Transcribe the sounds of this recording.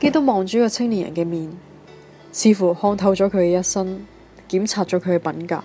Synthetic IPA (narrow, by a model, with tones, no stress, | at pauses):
ke˥jt̪ʊ˥k̚mɔː˨˧ŋt͡ʃɔː˨˥kɔː˧t͡sʰɪ˥ŋliː˨˩jɐ̰˨˩nkɛː˧miː˨n | t͡sʰiː˨˧fu˨˩hɔː˧ŋt̪ʰɐ˧wt͡ʃɔː˨˥kʰɵ˨˧ɥkɛ˧jɐ˥tsɐ˥n | kiː˨˥mt͡sʰaː˧t̚t͡ʃɔː˨˥kʰɵ˨˧ɥkɛ˧pɐ˨˥nka̰ː˧